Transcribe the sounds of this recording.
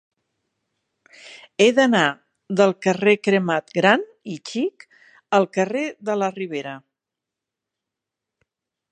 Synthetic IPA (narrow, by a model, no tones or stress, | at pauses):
eðəna | ðəlˠkərekɾəmat̪ɡɾan | it͡ʃik | əlˠkəreðələriβ̞eɾə